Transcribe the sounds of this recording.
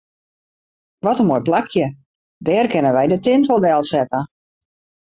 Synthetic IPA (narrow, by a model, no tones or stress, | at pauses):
ʋɔtənmoːjplakʰjə | dɛːrkɪnənʋɛjdətɪntfolˠdɛlˠsɛtə